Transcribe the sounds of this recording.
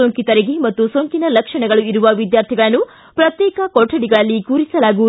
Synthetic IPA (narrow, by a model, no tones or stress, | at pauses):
oːŋkit̪ɐɾeɡemɐt̪ːusoːŋkinɐlɐkʂɐɳɐɡɐɭuiɾuʋɐʋid̪jaːɾt̪ʰiɡɐɭɐnːu | pɾɐt̪jɛːkɐkoʈʰːɐɽiɡɐɭɐlːikuːɾisɐlaːɡu